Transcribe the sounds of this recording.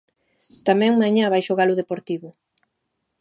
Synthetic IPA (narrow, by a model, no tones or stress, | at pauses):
t̪amɛ̃ŋmãɲãβajʃoɣalʊðepoɾt̪iβʊ